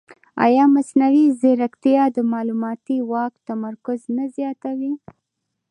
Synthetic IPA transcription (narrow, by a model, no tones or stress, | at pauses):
ɑ̰jɑmasnawizɪɾakt̪ijɑd̪əmɑlumɑt̪iwɑkt̪amaɾkʊznazjɑt̪awi